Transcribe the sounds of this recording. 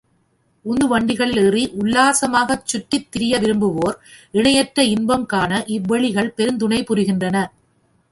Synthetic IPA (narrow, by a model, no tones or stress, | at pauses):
ʊndɯʋɐɳɖɪɣɐɭɪlɪriʔʊlːaːsɐmaːɣɐt͡ʃːʊʈːɪt̪ːɪɾɪjɐʋɪɾɯmbɯʋoːɾɪɳɐjɐʈrɾɐɪnbɐmkaːnɐʔɪʋːɐɭɪɣɐɭpɛɾɯnd̪ʊɳɐɪpʊɾɯɣɪndrɐnɐ